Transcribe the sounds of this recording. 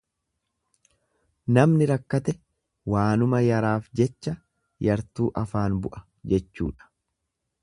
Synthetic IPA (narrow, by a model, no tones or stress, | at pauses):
nɐmnɪɾɐkːɐt̪ɛ | waːnʊmɐjɐɾaːfd͡ʒɛt͡ʃːɐ | jɐɾt̪uːʔɐfaːnbʊʔɐ̥ | d͡ʒɛt͡ʃːṵːᶑɐ̥